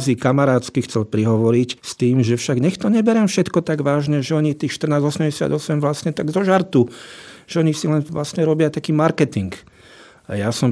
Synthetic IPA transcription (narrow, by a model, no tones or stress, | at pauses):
zikamaɾaːt̪skixt͡sɛlpɾiɦɔʋɔɾicst̪iːmʒɛfʃaɡɲɛxt̪ɔɲɛbɛɾɛmfʃɛt̪kɔt̪aɡʋaːʒɲɛʒɛɔɲit̪iːxʃt̪rnaːzɔsɛmɟɛsɪa̰d̪ɔsɛmʋlasɲɛt̪aɡzɔʒaɾt̪uʒ̥ɛɔɲisilɛnʋlasɲɛɾɔbɪat̪akiːmaɾkɛt̪iŋk | ajasɔm